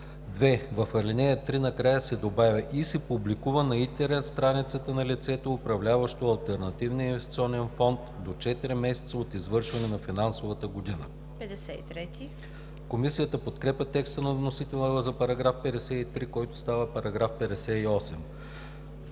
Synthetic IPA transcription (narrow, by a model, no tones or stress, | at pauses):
d̪vɛvɐfɐɾlinɛjət̪ɾinɐkɾajəsɛd̪obavʲəʔisɛpublikuvənɐint̪ɛɾɛt̪st̪ɾanit̪sət̪ənɐlit̪sɛt̪oːpɾɐvlʲavɐʃt̪oɐlˠt̪ɛɾnɐt̪ivniinvɛst̪it̪siɔnɛnfɔnt̪d̪ot͡ʃɛt̪iɾimɛsɛ̥t̪səot̪izvɤɾʃvɐnɛnɐfinansovət̪əɡod̪inə̰ | pɛd̪ɛsɛit̪ɾɛt̪i | komisijət̪əpot̪kɾɛpʲɐt̪ɛkst̪ənɐvnosit̪ɛlˠvəzɐpɐɾɐɡɾafpɛd̪ɛsɛit̪ɾikɔjt̪ʊ̥st̪avəpɐɾɐɡɾafpɛd̪ɛsɛiɔsɛm